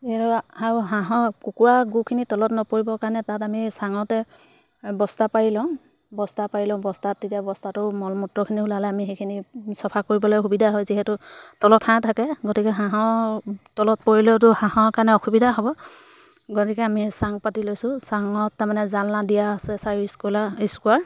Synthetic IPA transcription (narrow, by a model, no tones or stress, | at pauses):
ziɦɛtʊaɹuɦãɦɔ̃kukuɹaɡukʰinitɔlɔtnɔpoɹibɔkaɹnɛtatamisaŋɔtɛ | bɔstapaɹilɔ̃ | bɔstapaɹilɔ̃bɔstatːetijabɔstatʊmɔlmutɹɔkʰiniulalɛamixekʰinisɔpʰakoɹibɔlojxubidʱaɦɔjziɦɛtʊtɔlɔtʰãtʰakɛɡotikɛɦãɦɔ̃tɔlɔt̚poɹilɔtʊhãɦɔ̃kaɹnɛɔxubidaɦɔbɔ | ɡotikɛamisaŋpatilojsʊ̃saŋɔtːaɹmanɛzalnadijaːsɛsaiskolaiskuaɹ